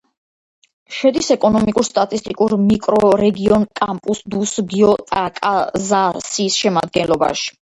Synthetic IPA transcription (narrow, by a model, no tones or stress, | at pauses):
ʃɛd̪isɛkʼɔnɔmikʼuɾst̪ʼat̪ʼist̪ʼikʼuɾmikʼɾɔɾɛɡiɔnkʼampʼusd̪usɡiɔt̪ʼakʼazasiːsʃɛmad̪̚ɡɛnlˠɔba̰ʃi̥